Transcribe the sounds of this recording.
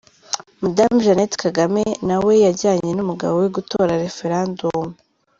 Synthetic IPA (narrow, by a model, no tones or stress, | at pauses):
madamʒanetkaɡame̞nawe̞jaɾɟaːɲe̞numuɡa̰βo̞we̞ɡuto̞ːɾaɾe̞fe̞ɾandomu